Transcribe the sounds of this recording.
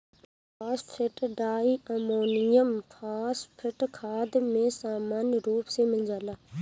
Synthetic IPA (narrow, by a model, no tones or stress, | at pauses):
ppʰaːspʰɪʈɖaːiːəmoːnɪjəmpʰaːspʰɪʈkʰaːd̪mẽːsaːmaːnɾuːpsẽːmɪld͡ʒaːlaː